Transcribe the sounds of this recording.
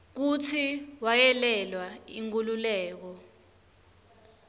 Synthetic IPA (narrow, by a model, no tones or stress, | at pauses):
k̬ut͡sʰiwajɛlɛlwaiŋk̬ʼululɛːk̬ɔ